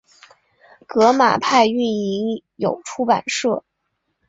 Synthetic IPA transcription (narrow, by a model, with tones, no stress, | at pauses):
kɤ˧˥ma̰˨˩pʰa˥˧ɪy˥˩ni˧˥ŋjo˨˩ʊʈ͡ʂʰu˥pa̰˨˩nʂɤ˥˩